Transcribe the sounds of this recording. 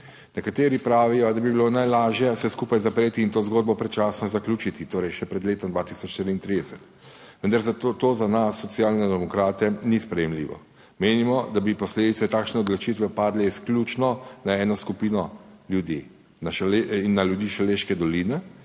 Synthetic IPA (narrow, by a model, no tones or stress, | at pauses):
nɛkat̪eːɾipɾaːʋijɔd̪abibilonajlaːʒjɛsɛskuːpajzapɾeːt̪iːnt̪oːzɡoːd̪̚bɔpɾɛt͡ʃaːsnɔzaklʲuːt͡ʃit̪it̪oːɾɛjʃɛpɾɛd̪leːt̪ɔmd̪ʋat̪isɔt͡ʃʃt̪iɾiːnt̪ɾiːd̪ɛsɛt̪ | ʋənd̪aɾzat̪t̪oːzanasːɔt̪siaːlnɛd̪ɛmɔkɾaːt̪ɛnispɾɛjɛmlḭʋɔ̰ | meːnimɔd̪abipɔsleːd̪it̪sɛt̪aːkʃnɛɔd̪lɔt͡ʃit̪ʋɛpaːd̪lɛisklʲut͡ʃnɔnaɛːnɔskupiːnɔljud̪ḭː | naʃinːaljud̪iːʃaleːʃkɛd̪ɔlinɛ